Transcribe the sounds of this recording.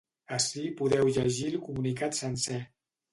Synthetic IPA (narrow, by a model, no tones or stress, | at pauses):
əsipuðɛwʎəʒilˠkumunikat̪sənsɛ